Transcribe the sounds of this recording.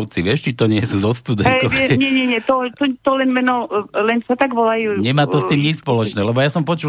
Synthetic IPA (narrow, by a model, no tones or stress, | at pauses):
ʊt͡siʋɪɛʃt͡ʃit̪ɔɲɪɛsuːzɔt̪st̪ud̪ɛnɔɛɲɛɲɛɲɛt̪ɔt̪ɔt̪ɔlɛnmɛnɔlɛnsat̪aɡʋɔlajuɲɛmaːt̪ɔst̪iːmɲispɔlɔt͡ʃnɛːlɛbɔjasɔmpɔt͡ʃuː